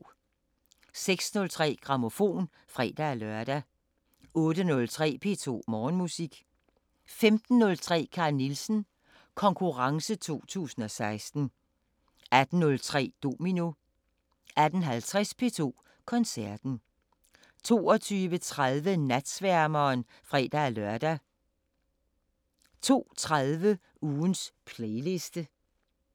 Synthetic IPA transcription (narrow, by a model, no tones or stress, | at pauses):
seɡ̥snɔ̽lt͡sʰʁɛ̰ːɡ̥ʁɑ̈mo̝fo̝̰ːn | fʁɛ̰ːd̥æælœɐd̥æ | ɔ̽ːɾənɔ̽lt͡sʰʁɛ̰ːpʰe̝̰ːt͡sʰo̝̰ːmɒːnmusiɡ̥ | femd̥n̩ːɔ̽lt͡sʰʁɛ̰ːkʰɑ̈ːnilsn̩ | kʰɒ̽ŋkʰuʁɑ̈ŋsət͡sʰo̝̰ːt͡sʰṵːsn̩ɒ̽sɑ̈ɪsd̥n̩ | æd̥n̩nɔ̽lt͡sʰʁɛ̰ːd̥o̝ːmino̝ | ʔæd̥ən̩ɦælt͡sʰʁɛspʰe̝t͡sʰo̝̰ː | kʰɒ̽nsæɐd̥n̩ | t͡sʰo̝̰ːɒt͡sʰyːʋət͡sʰʁaðˠʋənæd̥sʋæɐmɐːn | fʁɛ̰ːd̥æːlœɐd̥æ | t͡sʰo̝̰ːt͡sʰʁaðˠʋə | uːnspʰleɪle̝sd̥ə